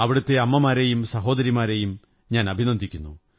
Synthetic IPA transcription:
ɐʋiɽɐt̪ːe̞ɐmːɐmaːɾejumsɐɦo̞ːd̪ɐɾimaːɾejum | ɲaːnɐbʱinɐnd̪ʱikʲːunːu

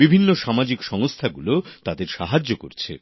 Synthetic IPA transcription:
bibʱinːoʃamad͡ʑikʃɔŋst̪ʰaɡulot̪ad̪eɾʃaɦad͡ʑːoko̰ɾt͡ɕʰḛ

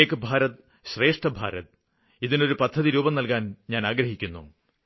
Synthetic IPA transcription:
ekɨbʱaːɾɐt̪ | ɕre̞ːʂʈɐbʱa̰ːɾɐt̪̚ | iðino̞ɾupɐd̪ʱːɐðiɾuːbɐmnɐlkaːnɲaːnaːɡɾɐɦikʲːunːṵ

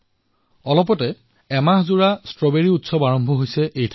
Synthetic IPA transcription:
ɔlɔp̬ɔtɛ | ɛmaɦzuɹastɹɔbeɹiutsɔbaɹɔmbʱɔɦojsɛʔejtʰ

